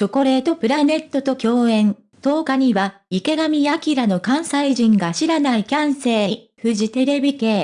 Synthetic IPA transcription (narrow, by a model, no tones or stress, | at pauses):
t͡ɕo̞ko̞ɾe̞ːt̪o̞pɯ̟ɾane̞t̪ːo̞t̪o̞kʲo̞ːẽ̞n | t̪o̞ːkaɲ̟iβa | ike̞ɡamʲijakʲiɾano̞kãɰ̃saiʑĩŋɡaɕiɾanaikʲãɰ̃se̞ːi | ɸɯ̟ʑit̪e̞ɾe̞bʲike̞ː